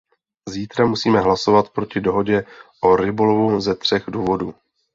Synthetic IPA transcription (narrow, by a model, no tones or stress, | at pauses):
ziːt̪ɾamusiːmɛɦlaso̞vat̪pɾo̞cɪdo̞ɦo̞ɟɛʔoɾɪbo̞lovuzɛt̪r̝̥ɛɣduːvo̞duː